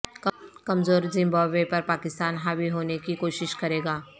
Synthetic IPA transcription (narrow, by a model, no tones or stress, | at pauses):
kɐmzoːɾzɪ̃mbaːbepɐɾpaːkɪst̪aːnɦaːwiɦoːnekikoːʃɪʃkɐɾeːɡaː